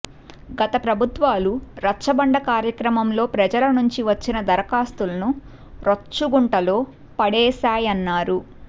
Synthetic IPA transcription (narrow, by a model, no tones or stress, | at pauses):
ɡɐt̪ɐpɾɐbʱut̪ʋaːluɾɐt͡ʃɐbɐɳɖɐkaːɾjɐkɾɐmɐmlo̞ːpɾɐd͡ʒɐlɐnuɲt͡ʃiʋɐt͡ʃːinɐd̪ɐɾɐkaːst̪ulɐnu | ɾɐt͡ʃːuɡuɳʈɐloː | pɐɽɛːsaːjɐnːaːɾu